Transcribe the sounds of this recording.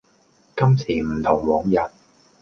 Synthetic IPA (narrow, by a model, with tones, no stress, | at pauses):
kɐ˥msʰiː˨˩m̩˨˩t̪ʰʊ˨˩ŋwɔː˨˥ŋjɐ˨t̚